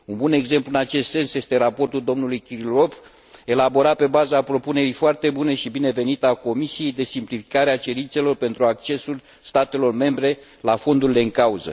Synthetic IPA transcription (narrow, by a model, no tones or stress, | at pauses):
unbune̞ɡze̞mpluɨnat͡ʃe̞st̪se̞nsje̞st̪e̞ɾapo̞rt̪uld̪o̞mnulujkʲiɾilo̞v | e̞labo̞ɾat̪̚pe̞bazapɾo̞pune̞ɾijfoart̪e̞bune̞ʃibine̞ve̞nit̪ako̞misije̞jd̪e̞simplifi̥kaɾeat͡ʃe̞ɾint̪se̞lo̞rpe̞nt̪ɾuak̚t͡ʃe̞sul | st̪at̪e̞lo̞rme̞mbɾe̞ | lafo̞nd̪uɾile̞ɨŋkauzə̰